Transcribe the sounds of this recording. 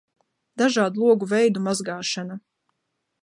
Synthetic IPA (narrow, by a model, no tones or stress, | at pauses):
d̪aʒɑːd̪ulˠuɔɡuvɛjd̪umazɡɑːʃana